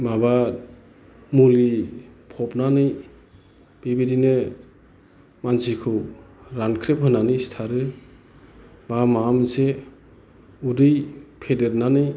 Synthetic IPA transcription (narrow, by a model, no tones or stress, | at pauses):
mabat̚ | mulipʰɔpnanɯj | b̥ibidinɯ | mansikʰɯwɾankʰɾep̚ɦɯnanɯjstʰaɾɯ | bamamze | udɯjpʰedeɾnanɯj